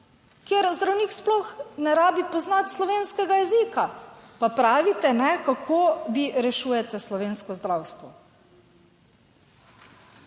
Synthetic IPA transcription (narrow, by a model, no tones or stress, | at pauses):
kjeɾzd̪ɾawniːksplɔxnɛɾaːbipɔznat̪slɔʋeːnskɛɡajɛziːkapapɾaːʋit̪ɛnɛkakʰoːʋiɾɛʃuːjɛt̪ɛslɔʋeːnskɔzd̪ɾawst̪ʋɔ